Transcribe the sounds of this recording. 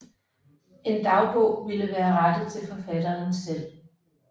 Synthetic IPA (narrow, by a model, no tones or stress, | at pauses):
e̝nd̥ɑ̈ʊb̥ʰɔ̽ʋiləʋæːɐʁad̥əð̩ˠt͡sʰe̝lfɒ̽fæd̥ɐnsel̰